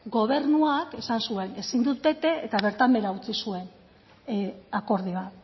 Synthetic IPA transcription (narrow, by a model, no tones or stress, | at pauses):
ɡo̞β̞e̞ɾnuake̞sansue̞ne̞sind̪ut̪̚be̞t̪e̞ːt̪aβ̞e̞ɾt̪ambe̞ɾaut͡sisue̞n | ako̞ɾð̞iβat̪